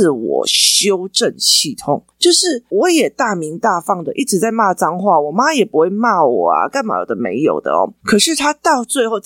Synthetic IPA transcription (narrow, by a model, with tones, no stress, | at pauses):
wɔ̰˨˩ɕjo˦˥ʊʈ͡ʂə˥˨nɕʰi˥˩t̪ʰʊ̰˧˥ŋt͡ɕjo˥˧ʊʂɻ̩˥˩wɔ˨˦jɛ˨˩t̪a˥˩mi˧˥ŋt̪a˥˧fɑ˥˩ŋd̪ə˨ʔi˥˩ʈ͡ʂɻ̩˧˦t͡sa˥˩ɪma˥˧t͡sɑ˥ŋxwa˥˩wɔ˨˩ma˦jɛ˨˩pu˦xwe˥˩ɪma˥˩wɔ̰˨˩a̰˨˩ka˥˩nma̰˨˩wd̪ə˨˩mḛ˧˥ɪjo̰˨˩ʊd̪ə̰˦ɔ̰˦kʰɤ˨˩ʂɻ̩˥˧t̪ʰa˦t̪ɑ˥˧ʊt͡swe˥˧ɪxo˥˧ʊ